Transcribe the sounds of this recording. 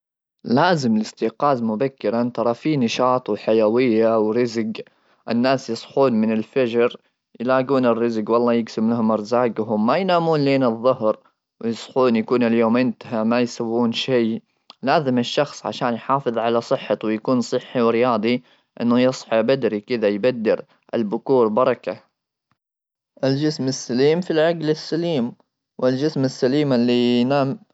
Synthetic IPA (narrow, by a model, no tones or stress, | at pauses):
laːzɪmɪlɪst̪ɪqɑːzmʊbakːɪɾant̪ɑɾˤɑfiːnɑʃɑːt̪ˤwħajawɪjːawɾɪzɡ | ʔɪnːaːsjɨsˤħuːnmɪnɪlfad͡ʒɾ | jɪlaːɡuːnɪrːɪzɡwɑlˤːɑːjɪɡsɪmlahʊmɪɾzaːɡɦʊmːajnaːmuːnleːnɨðˤːʊhɾ | wjɨsˤħuːnjakuːnɪljoːmʔɪnt̪aɦamajsawːuːnʃaː | laːzɪmɪʃːɑxsˤʕa̰ʃaːnjħɑːfɨðˤʕalasˤɨħːɑt̪wɪjakuːnsˤɨħːiwɾɪjaːd̪ˤi | ʔɪ̰nːʊjɨsˤħɑbad̪ɾikɪd̪ajbad̪ːɪɾ | ʔɪ̰lbʊkuːɾbɑɾˤɑka | ʔɪld͡ʒɪsmɪsːaliːmfilʕaɡlɪsːaliːm | wɪld͡ʒɪsmɪsːaliːmɪlːijnaːm